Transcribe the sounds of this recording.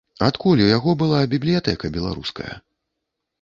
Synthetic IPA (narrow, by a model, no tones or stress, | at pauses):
at̪kulʲujaɣɔbɨlˠabʲiblʲijat̪ɛkɐbʲɛlˠa̰ɾṵskɐ̰jɐ̰